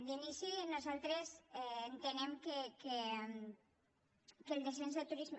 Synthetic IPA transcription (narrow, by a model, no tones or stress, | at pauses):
linisinuzalˠt̪ɾesɛːnt̪enemkeke | kelˠd̪esenzðət̪uɾizm